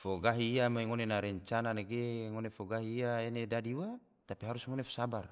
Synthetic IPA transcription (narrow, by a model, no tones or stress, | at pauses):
foɡaɦiːamaiŋonenaɾɛɲt͡ʃananaɡeŋonefoɡaɦiːaenedadiwa | t̪apiɦaɾusŋonefo̥sabar